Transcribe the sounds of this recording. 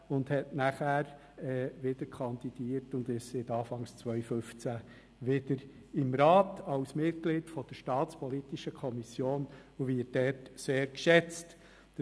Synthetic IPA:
ʊndhɛtnæχæɾ | ɛːʋɪd̥əɾkʰɑnd̪id̥iːəɾtʊnd̪ɪʃsɪt̪ɑːfɑŋst͡sʋœɥføft͡sæ | ʋɪd̥əɾ | ɪmɾɑːtɑwsmɪt̚klɪtfɔd̥əɾʃtɑːtt͡spɔlitiʃəkʰɔmisjoːnuʋɪt̚dɛrtseːɾkʃɛt͡st

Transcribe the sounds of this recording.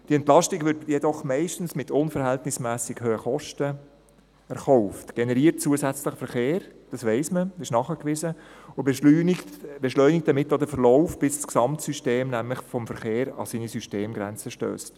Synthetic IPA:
d̥iɛntlɑʃtɪɡvʏɾdjɛdɔχmɛɪʃtn̩smɪtʰʊnfəɾhɛltnɪsmæːsɪɡhøːəχɔʃtə | ɛɾχɔʊftɡ̥enɛɾiːəɾt̚t͡suəzɛt͡sləχfɛɾχeːɾd̥ɑsʋɛɪsməɪʃnɑχəkʋɪzəʊb | b̥eʃlœʏnɪk̚d̪ɑmɪtːodəfəɾlɔʊfb̥ɪssksɑmtsyʃteːmnæmləχfɔmfəɾχeːɾɑ̰siːnisyʃteːmɡɾɛ̰nt͡səʃtø̰ːst

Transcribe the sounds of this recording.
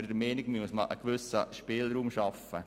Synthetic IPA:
əɾdəmɛːnɪɡmyəsmɑlʔə̰kʋʏsəʃpɪːlɾuːmʃɑfə

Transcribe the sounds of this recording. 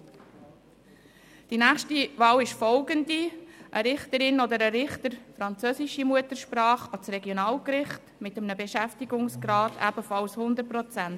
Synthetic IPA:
d̥inæːχʃtiʋɑːwɪʃfɔʊɡəndiʔəɾɪχtəɾɪnɔd̪əɾəɾɪχtəɾfɾɑnt͡søsɪʃimuətəɾʃpɾɑːχɑt͡sɾɛɡjonɑːlkɾɪχtmɪtəmnəbeʃæftiɡʊŋsɡɾɑːtʰæ̰b̥əfɑlshʊnd̪əɾ̚pɾɔt͡sænt

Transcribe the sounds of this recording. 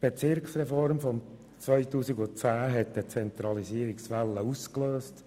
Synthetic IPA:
b̥et͡sɪɾkχsrɛfɔɾmfɔm | t͡svœɪtuːsiɡʊt͡sæːɦɛt̚dət͡sɛnt̪ɾɑlisiəɾiksfɛlːəuskløːst

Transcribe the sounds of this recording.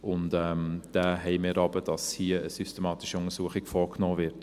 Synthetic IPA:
ʊndɛːmd̥æːɦɛɪmɪːɾɑbəd̥ɑshiːəəsystemɑːtɪʃiʊŋəɾsuəχɪɡfɔːknɔːvɪɾt

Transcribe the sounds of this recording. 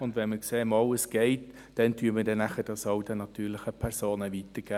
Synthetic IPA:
ʊndʋɛnməkseːmɑləsɡ̥ɛɪt | d̥ɛntʰyːəmədɛnæχəd̥ɑsɑwdənɑtyːɾlɪχəpʰɛɾsoːnəʋitəɾɡ̥æː

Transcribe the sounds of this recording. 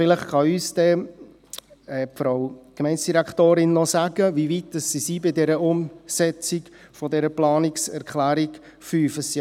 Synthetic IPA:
fɪləχχɑyːsdɛ | ɛfɾoʊkmɛɪnsd̥iɾækχtoːɾɪnːɔsaɡ̥əʋiʋit̚d̥əsːisiːbɪdɛɾəʊmsɛt͡sɪk | fɔdɛɾəplɑːnɪksɛɾkχlæːɾik | fyːfəsi

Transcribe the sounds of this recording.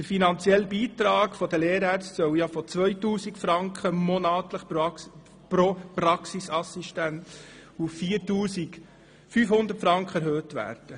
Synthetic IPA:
d̥əɾfinɑnt͡sjɛlbiːt̪ɾɑːɡfɔdəleːɾæɾt͡stsœwjɑfɔt͡sʋœjtuːsikfɾɑŋkχəmonɑːtləχ | pɾopɾɑksisɑsiʃtænt | uffiːɾtuːsiɡ | fyːfhʊnd̪ətfɾɑŋkχəɛɾɦøːtʋæ̰ːɾd̥ə

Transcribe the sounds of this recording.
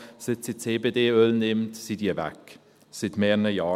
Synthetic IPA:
sɪtsit͡seːbedeːølnɪmtsidiːəvɛ̰k | sɪtmɛːnəjɑː

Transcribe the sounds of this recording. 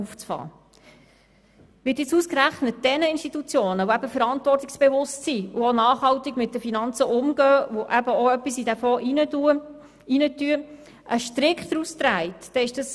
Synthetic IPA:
uft͡sfɑ̰ː | ʋɪːtɪt͡suːskɾæχnət̚d̥ɛnəɪnʃtit̪ut͡sjoːnəvoæbəfəɾɑnt̪vɔrtiksb̥evʊstsiʊonɑːχhɑwtiɡmɪt̚dəfinɑnt͡səʔʊmɡœːvoʔæbəoœpːisidæfɔːʔinəuə | inətyə | ʔəʃtɾɪkχd̪ɾustɾæɪtd̥ɛɪʃd̥əs

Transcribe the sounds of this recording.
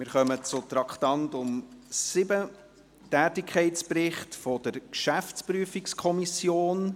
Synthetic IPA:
mɪɾχœmət͡sʊt̪ɾɑktɑntʊmsɪbə | tæːtɪkʰχɛɪtt͡sprɪχtfɔdəɾkʃæft͡spryəfikskʰɔmisjoːn

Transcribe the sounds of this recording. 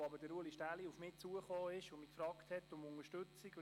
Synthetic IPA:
ɑbədəɾuəliʃtæliufmɪːt͡suəχoːɪʃʊmiːkfɾɑːkthɛtːʊmʊŋəʃtɵt͡siɡ

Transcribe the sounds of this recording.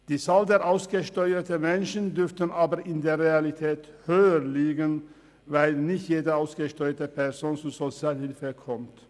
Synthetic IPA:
d̪̥iːsɑːld̪eːɾʔaʊsɡ̥əʃtɔʏət̪əmɛnʃən̩d̪ʏɾft̪ənʔɑːbəɾɪnd̪eːɾʁeɑlɪt̪ʰɛːt̪høːəɾliːɡən | ʋæɪlnɪçt̪jeːd̪əaʊsɡ̥əʃtɔʏət̪əpʰɛɾsoːnt͡suːsɔsɪɑːlhɪlfəkʰɔmt̪

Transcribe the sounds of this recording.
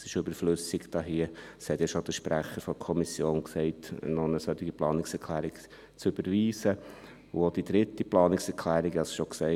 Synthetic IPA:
sɪʃøb̥əɾfløsɪkd̥ɑːɦiəshɛt̪jɑʃod̥əʃpɾæχəɾfɔkʰɔmisjoːnksɛɪtnɔnəsœt̪ɪɡiplɑːnɪksɛkʰlæːɾɪk | t͡sʏb̥əɾʋiːsə | uod̥id̪ɾɪtːiplɑːnɪksɛɾkʰlæːɾɪɡɑsʃoksɛɪ

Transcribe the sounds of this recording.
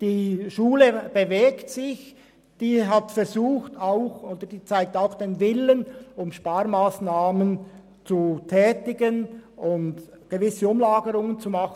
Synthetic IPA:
d̥iːʃuːləb̥eveːktsɪç | d̥iːɦatfɛɾzuːxtaʊxoːd̥əd̥iːt͡saɪk̚taʊxd̥eːnvɪlənʊmʃpaːɾmaːsnaːmən | t͡sutʰɛːtɪɡənʔʊnt | ɡ̥evɪsəʊmlaːɡəʁʊŋənt͡sumɑχn

